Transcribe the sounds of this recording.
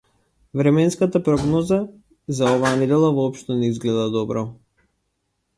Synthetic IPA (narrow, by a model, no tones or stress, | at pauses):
vɾɛmɛnskat̪apɾɔɡnɔza | zaɔvaːnɛd̪ɛlˠavɔɔpʃt̪ɔnɛizɡlɛd̪ad̪ɔbɾɔ